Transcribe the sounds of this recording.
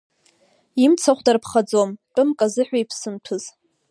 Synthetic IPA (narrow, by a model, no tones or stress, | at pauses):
imt͡sʰaχʷdarpʰχad͡zomʈ͡ʂʼɨmkʼazɨħʷᶣajpʰsɨntʷʰɨz̥